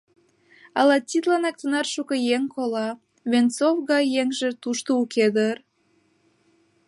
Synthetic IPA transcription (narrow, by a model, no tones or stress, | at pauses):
ɑlɑt̪ʲːit̪lɑnɑk̚t̪ənɑrʃukɤ̆jeŋkʰolɑ | βent͡sofɣɑjːeŋʒĕt̪uʃt̪oukʰed̪ər